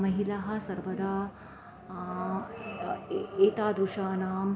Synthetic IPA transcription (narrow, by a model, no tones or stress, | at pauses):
mɐɦilɐɦɐ̆sɐɾʋɐɾaː | eːt̪aːd̪ɾuʃaːnaːm